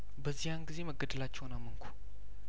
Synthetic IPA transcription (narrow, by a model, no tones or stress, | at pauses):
bəzːihjanɡize̞məɡəd̪əlat͡ʃːɛhwnamːəŋkʰʷu̥